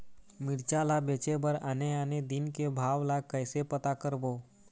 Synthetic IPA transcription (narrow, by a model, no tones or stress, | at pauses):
mɪɽt͡ʃalabet͡ʃebəɾaneaned̪inkebʱaːʋlakəjsepət̪akəɾboː